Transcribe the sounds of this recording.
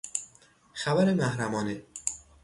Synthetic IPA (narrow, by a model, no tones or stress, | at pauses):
xæbæɾemæhɾæmɒːne